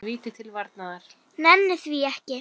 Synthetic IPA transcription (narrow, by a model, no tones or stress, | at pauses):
viːt̪ɪt̪ʰɪlvaɾt̪naðaɾ̥ | nɛnːɪθviɛhcɪ